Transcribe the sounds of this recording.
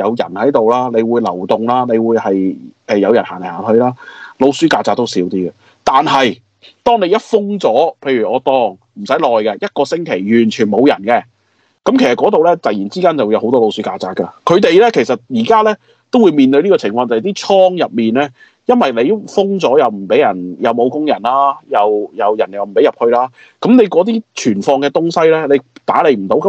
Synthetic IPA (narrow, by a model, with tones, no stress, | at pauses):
jɐ˨˧wjɐ̰˨˩nhɐ˨˥jt̪o˨wlaː˥nle˨˧jwuː˨˧jlɐ̰˨˩wt̪ʊ˨ŋlaː˥ne˨˧jwuː˨˧jhɐ˨jʔɛ˨˧jɐ˨˧wjɐ˨˩nhaː˨˩nle˨˩haː˨˩t̪ʰɵ˧ɥlaː˥lo˧wsyː˨˥kaː˧t͡saː˧t̚t̪o˥wsiː˨˥wt̪iː˥ɡɐ˨ | t̪aː˨nɦɐ˨j | t̪ɔː˥ŋne˨˧jɐ˥t̚fʊ˥ŋt͡sɔː˨˥pʰe˧jɥy˨˩ɔː˨˧t̪ɔː˧ŋm̩˨˩sɐ˨˥jlɔː˨jkɛ˧jɐ˥t̚kɔː˧sɪ˥ŋkʰe˨˩jjyː˨˩nt͡ʃʰyː˨˩nmo˨˧wjɐ˨˩nkɛ˧ | kɐ˨˥mkʰe˨˩sɐ˨tkɔː˨˥t̪o˨˧wlɛ˥t͡sɐ˨jiː˨˩nt͡siː˥kaː˥nt͡sɐ˨wu˧jɐ˧who˨˥t̪ɔː˥lo˧wsyː˨˥kaː˧t͡saː˨˩kɐ˧kʰɵ˨˧ɥt̪e˨˧jlɛː˥kʰe˨˩jsɐ˨t̚jiː˨˩kaː˥lɛː˥ | t̪o˥wuː˨˧jmiː˧nt̪ɵ˧ɥliː˥kɔː˧t͡sʰɪ˨˩ŋfɔː˧ŋt͡sɐ˨jt̪iː˥t͡ʃʰɔː˥ŋjɐ˨p̚miː˨nlɛː˥ | jɐ˥nwɐ˨jle˨˧jfʊ˥ŋt͡sɔː˨˥jɐ˨wm̩˨˩pe˨˥jɐ˨˩njɐ˨˧wmo˨˧wkʊ˥ŋjɐ˨˩nlaː˥jɐ˨˧wjɐ˨˧wjɐ˨˩njɐ˨˩wm̩˨˩pe˨˥jɐ˨p̚hɵ˧ɥlaː˥ | kɐ˨˥mne˨˧jkɔː˨˥t̪̬iː˥t͡ʃʰyː˨˩nfɔː˧ŋkɛ˧t̪ʊ˥ŋsɐ˥jlɛː˥le˨˧jt̪aː˨˥le˨jm̩˨˩t̪o˨˥wkɐ˨˦